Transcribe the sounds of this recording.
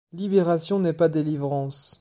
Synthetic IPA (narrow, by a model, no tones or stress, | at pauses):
libeʁasjɔ̃nɛpad̪elivʁɑ̃s